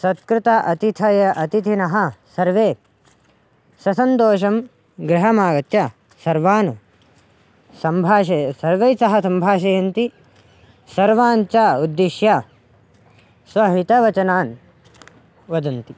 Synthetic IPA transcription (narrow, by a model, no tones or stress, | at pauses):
sɐt̪kɾɪt̪ɐʔɐt̪it̪ʰɐjɐʔɐt̪it̪ʰinɐɦɐ̆sɐɾʋeː | sɐsɐnt̪oːʃ̬ɐm | ɡɾɪɦɐmaːɡɐt̪jɐ | sɐɾʋaːnɐ | sɐmbʱaːʃɐjɐsɐɾʋɐjsɐɦɐsɐmbʱaːʃɐjɐnt̪i | sɐɾʋaːnt͡ʃaud̪ːiʃja | sʋɐɦit̪ɐʋɐt͡ʃɐnaːn | ʋɐd̪ɐnt̪i